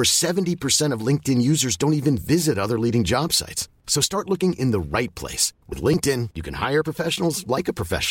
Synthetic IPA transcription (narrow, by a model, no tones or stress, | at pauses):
ə˞sɛṽntipʰə˞sɛ̃ɾ̃ʌvlɪ̃ŋk̚tɨ̃njʉzə˞zdõʊ̃ntivɨ̃nvɪzɨɾʌðə˞liɾɪ̃ŋd͡ʒɑb̥sa̰ɪtsːoʊstɑɹtˡlʊkɪ̃ŋʔɨ̃nðəɹaɪt̚pʰl̥ḛɪswɨ̰ðlɪ̃ŋk̚tɪ̃njɨkʰɨ̃nha̰ɪə˞pʰɹ̥əfɛʃn̩l̩ˠzlaɪkɨpʰɹ̥əfɛ̰ʃ